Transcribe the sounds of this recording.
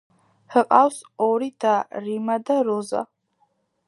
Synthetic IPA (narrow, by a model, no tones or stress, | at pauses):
hɨqʼawsoɾid̥arimadaɾoza̰